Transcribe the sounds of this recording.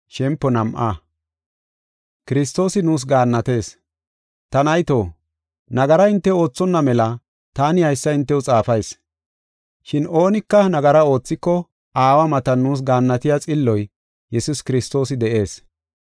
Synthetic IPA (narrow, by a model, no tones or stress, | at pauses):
ʃɛmpːɔnɐmʔa̰ː | kɪɾɪst̪o̞ːsɪnuːs̬ɡaːnːɐt̪e̞ːs | t̪ɐnɐjt̪o̞ː | nɐɡɐɾɐɪnt̪ːɛo̞ːt͡sːɔnːɐmɛlɐ | t̪aːnɪhɐjsːɐɪnt̪ːɛwʊt͡sʼaːfɐjs | ʃɪno̞ːnɪkːɐnɐɡɐɾɐo̞ːt͡sːɪkːɔ | aːwɐmɐt̪ɐnːuːs̬ɡaːnːɐt̪ɪjat͡sʼɪlːɔj | jɛsʊskɪɾɪst̪o̞ːs̬ɪd̪ɛʔe̞ːs